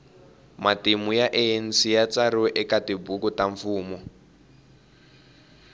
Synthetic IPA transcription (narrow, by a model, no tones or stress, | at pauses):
matimujaʔeen̩sijat͡saɾɔʔɛkatibukutaɱfuːmɔ